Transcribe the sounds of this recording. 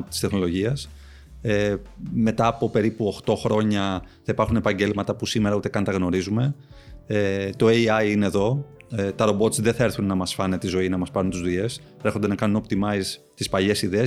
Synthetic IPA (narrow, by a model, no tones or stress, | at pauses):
t̪i̥st̪exno̞lo̞ʝiɐs | eme̞t̪ɐːpo̞pe̞ɾipuo̞xt̪o̞xɾo̞ɲɐθɐipɐɾxune̞pɐɲɟe̞lmɐt̪ɐpusime̞ɾɐut̪ekɐnt̪ɐɣno̞ɾizume̞ | et̪o̞eɐiine̞ːðo̞ | t̪ɐɾo̞bo̞t̪sðeθɐeɾθunːɐmɐsfɐnet̪izo̞inɐmɐspɐɾunt̪uzðue̞s | ɾe̞xo̞nd̪e̞nɐkɐnuno̞pt̪imɐis | t̪ispɐʎe̞siðe̞ː